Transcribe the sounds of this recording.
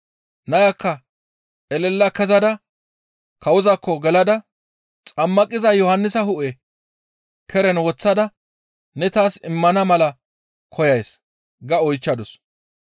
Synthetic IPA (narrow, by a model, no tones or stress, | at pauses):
nɐjɐkːɐ | ʔɛlɛlːɐkɛzɐd̪ɐ | kɐwʊzɐkːɔɡɛlɐd̪ɐ | t͡sʼɐmːɐkʼɪzɐjɔhɐnːɪsɐhʊʔɛ | kʰɛɾɛnwɔt͡sːɐd̪ɐ | nɛt̪aːsɪmːɐnɐmɐlɐ | kʰɔjɐjs | ɡɐɔjt͡ʃːɐd̪ɔs